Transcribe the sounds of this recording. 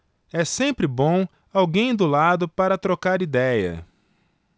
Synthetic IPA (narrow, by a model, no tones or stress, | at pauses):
ɛsẽmpɾɪbõw̃ | awɡẽj̃d̪ʊlad̪ʊpaɾɐt̪ɾokaɾid̪ɛjɐ̰